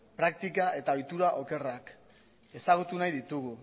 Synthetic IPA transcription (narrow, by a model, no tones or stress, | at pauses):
pɾak̚t̪ikae̞t̪ao̞jt̪uɾaʔo̞ke̞rak | e̞saɣ̞ut̪unajðit̪uɣu